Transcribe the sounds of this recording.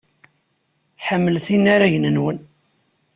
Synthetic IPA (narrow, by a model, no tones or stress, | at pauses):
ħəmːəlθinːaɾaʝnənwən